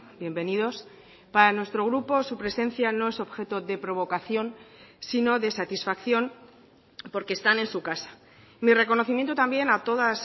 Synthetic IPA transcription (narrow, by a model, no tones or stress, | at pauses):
bje̞mbe̞nið̞o̞s | paɾanwe̞st̪ɾo̞ɣ̞ɾupo̞supɾe̞sẽ̞nθjano̞e̞so̞βxe̞t̪o̞ðe̞pɾo̞β̞o̞kaθjo̞nsino̞ðe̞sat̪isfakθjo̞n | po̞ɾkeːst̪ane̞nsukasḁ | mire̞kono̞θimjent̪ot̪ambje̞nat̪o̞ðas